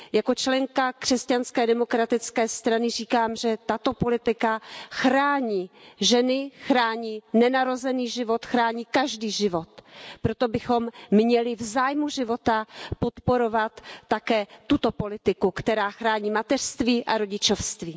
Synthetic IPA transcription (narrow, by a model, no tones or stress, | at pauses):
jako̞t͡ʃlɛŋkakr̝̥ɛscanskɛːdɛmo̞kɾat̪ɪt͡skɛːst̪ɾanɪriːkaːmʒɛt̪at̪o̞po̞lɪt̪ɪkaxɾaːɲiːʒɛnɪxɾaːɲiːnɛnaɾo̞zɛniːʒɪvo̞t̪xɾaːɲiːkaʒdiːʒɪvo̞t̪pɾot̪o̞bɪxo̞mmɲɛlɪvzaːjmuʒɪvo̞t̪apo̞t̪po̞ɾo̞vat̪ːakɛːt̪ut̪o̞po̞lɪt̪ɪkukt̪ɛɾaːxɾaːɲiːmat̪ɛr̥st̪viːʔaɾo̞ɟɪt͡ʃofst̪viː